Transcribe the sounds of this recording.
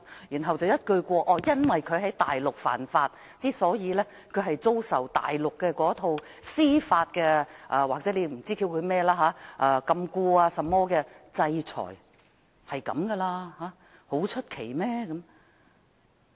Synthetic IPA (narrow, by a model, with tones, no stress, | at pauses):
jyː˨˩nɦɐ˨wt͡swjɐ˥t̚kɵ˧ɥkʷɔː˧ʔɔː˧jɐ˥nwɐ˨jkʰɵ˨˧ɥhɐ˨˥jt̪a̰ː˨jlʊ˨k̚fa̰ː˨˩nfaː˧t̚ | t͡siː˥sɔː˨˥jiː˨˧lɛː˥ | kʰɵ˨˧ɥɦɐ˨jt͡so˥wsɐ̰˨˩wt̪a̰ː˨jlʊ˨kːɛː˧kɔː˨˥t̪ʰo˧w | siː˥faː˧t̚kɛː˧ʔaː˨˧waː˨k̚t͡sɛː˨˥le˨˧m̩˨˩t͡siː˥ki˧wkʰɵ˨˧ɥmɛː˥laː˥ɦaː˨˧˥ʔaː˧kɐ˧mkuː˧aː˧sɐ˨mːɔː˥kɛː˧t͡sɐ˧jt͡sʰɔ̰ː˨˩j | hɐ˨jkɐ̰˨˥mkɛ˧laː˧haː˨˥ | ho˨˥wt͡ʃʰɵ˥t̚kʰe˨˩jmɛː˥kɐ˨˥m